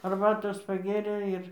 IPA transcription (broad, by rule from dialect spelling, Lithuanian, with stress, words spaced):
ɐrˈbɑːtoːs pɐˈɡʲeːrʲeː ˈɪr